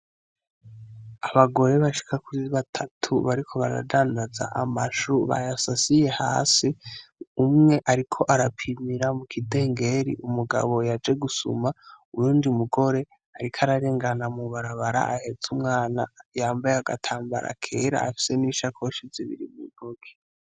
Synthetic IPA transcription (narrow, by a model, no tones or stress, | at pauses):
aβaɡo̞ɾe̞βaʃi̥kakuziβatʰatʰuβaɾikʰo̞βa̰ɾa̰daːndaza̰ʔamaʃuβa̰jasasije̞ha̰ːsiumŋe̞ʔaɾikʰo̞ʔaɾapʰimiɾamukʰide̞ːŋɡe̞ɾḭʔumuɡa̰βo̞jad͡ʒe̞ɡusṵmaujuːndiumuɡo̞ɾe̞ | aɾikʰaɾaɾe̞ːŋɡanamuβaɾaβaɾa̰ʔahe̞zumŋaːnajaːmbajeaɡatʰaːmba̰ɾa̰kʰe̞ːɾa̰ːfi̥se̞niʃakʰoʃiziβḭɾḭmḭɡoɡe̥